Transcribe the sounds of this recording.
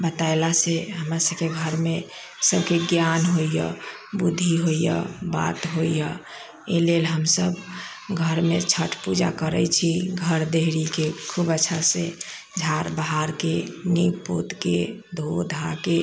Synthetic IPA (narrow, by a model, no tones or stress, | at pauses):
bət̪aelaseɦəmɾasəbkeɡʱəɾme | səbkeɡjanɦoijə̰ | bud̪ʱːiɦojjə̰ba̰t̪ɦoijə | elelɦəmsəb | ɡʱəɾmet͡ʃʰəʈʰpud͡ʒa̰kəɾət͡ʃʰiɡʱəɾd̪eɦɾikekʰubətːʃʰase | d͡ʒʱaɾbaɦaɾkenipo̰t̪ked̪ʱod̪ʱake